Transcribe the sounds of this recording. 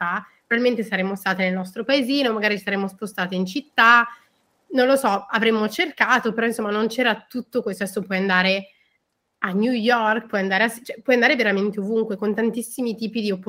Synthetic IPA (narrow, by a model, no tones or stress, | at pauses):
apɾovalment̪esaɾeːmːost̪aːt̪enelnɔst̪ɾopaeziːnomaɡaːɾit͡ʃi̥saɾeːmːospost̪aːt̪eint͡ʃit̪ːa | nõnlosɔavɾemːot͡ʃerkaːt̪opeɾɔinsomːanont͡ʃɛːɾat̪ut̪ːokwest̪oɛsopwɔjand̪aːɾe | anjujɔrkpwɔjand̪aːɾeasit͡ʃɛpːwɔjand̪aːɾeveɾament̪eovuŋkwekont̪ant̪isːimit̪iːpid̪iopː